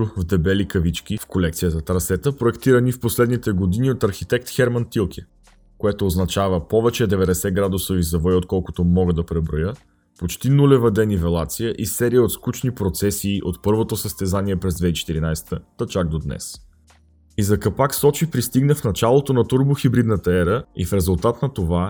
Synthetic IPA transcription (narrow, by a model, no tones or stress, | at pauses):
vd̪ɛbɛlikɐvit͡ʃk̟ʲifkolɛkt̪sijəzɐt̪ɾɐsɛt̪əpɾoɛkt̪iɾənifposlɛd̪nit̪ɛɡod̪iniot̪ɐɾxit̪ɛk̚t̪xɛɾmɐnt̪ilˠk̟ʰʲɛ | koɛt̪oːznɐt͡ʃavəpɔvɛt͡ʃɛd̪ɛvɛd̪ɛsɛɡɾad̪usovizɐvɔot̪̚kɔlˠkʊt̪omɔɡəd̪ɐpɾɛbɾojə | pot͡ʃt̪inulʲɛvɐd̪ɛnivɛlˠat̪sijəʔisɛɾijəot̪skut͡ʃnipɾot̪sɛsiːʔot̪pɤɾvot̪osəst̪ɛzaniɛpɾɛzd̪vɛit͡ʃɛ̥t̪iɾinajsɛ̥t̪ət̪ət͡ʃaɡ̚d̪od̪nɛ̰s | izɐkɐpaksɔt͡ʃipɾist̪iɡnəfnɐt͡ʃalˠot̪onɐt̪uɾboxibɾid̪nət̪əɛɾəḭfɾɛzulˠt̪at̪nɐt̪ova